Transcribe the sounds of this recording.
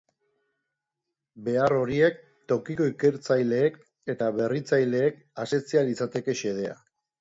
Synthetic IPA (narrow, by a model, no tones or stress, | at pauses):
be̞aro̞ɾie̞k̚ | t̪o̞kiko̞ike̞ɾt͡sajle̞ːk | et̪aβe̞rit͡sajle̞ːk | aset͡sialit͡sat̪e̞ke̞ʃe̞ð̞e̞a̰